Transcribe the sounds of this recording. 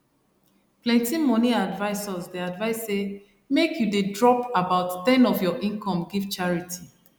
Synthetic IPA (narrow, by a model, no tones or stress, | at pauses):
plɛ̃ntimɔ̃niadvaɪsɔzdeadvaɪsːe | mekʰjudedɹɔpabaʊttɛ̃nɔfjɔʔĩnkʰɔ̃mɡivt͡ʃaɹitʰi